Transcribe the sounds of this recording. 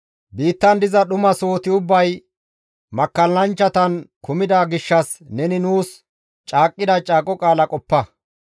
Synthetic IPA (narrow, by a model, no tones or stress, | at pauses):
biːt̪ːɐnd̪ɪzɐɗʊmɐso̞ːt̪ɪʊbːɐj | mɐkːɐlːɐnt͡ʃːɐt̪ɐnkʊmɪd̪aɡɪʃːɐs | nɛnɪnuːs | t͡ʃʼaːkʼːɪd̪ɐt͡ʃʼaːkʼɔkʼaːlɐkʼɔpːɐ